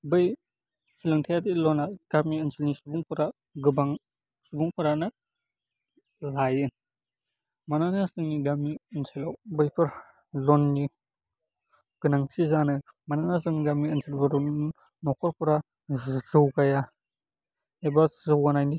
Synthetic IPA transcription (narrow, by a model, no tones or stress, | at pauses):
bɯj | hʰilɯŋtʰajadilɔnaɡ̥amiənsʰelnisubuŋpʰɯɾa | ɡɯbaŋ | subuŋpʰɯɾanɐ | lajɯn | mananasɯŋniɡamiənsʰelawbɯjpʰɯɾ | lɔnːi | ɡ̥ɯnaŋsizanɯmananasɯŋɡamiənsʰelbaɾɔm | nɔkʰɔɾpuɾa | zɯwkaja | ebazɯwɡanajni